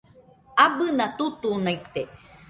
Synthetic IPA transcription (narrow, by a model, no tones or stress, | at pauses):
abɨnat̪ut̪unait̪e